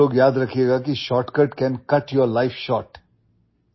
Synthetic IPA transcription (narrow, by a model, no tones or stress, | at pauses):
oːɡjaːd̪ɾɐkʰieːɡaːkiʃɔːʈkəʈkɛ̃nkɐʈjɔɾlaɪfʃɔːʈ